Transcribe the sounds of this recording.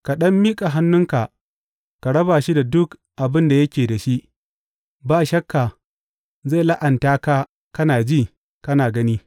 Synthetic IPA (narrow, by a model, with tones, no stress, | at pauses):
ka˨ɗɐ˦mːiː˦kʼa˨ɦa˦nːʊ˦ŋka˨ | ka˨ɽɐ˦baː˨ʃi˦da˨dʊ˦kʔa˨bɪ˦nda˨jɐ˦kʲeː˨da˨ʃi˦ʔ | baː˦ʃɐ˦kːa˨ | ze˦˨la˦ʔɐ˨ntaː˦ka˦ | kɐ˦naː˨d͡ʒiː˦˨ | kɐ˦naː˨ɡɐ˦niː˦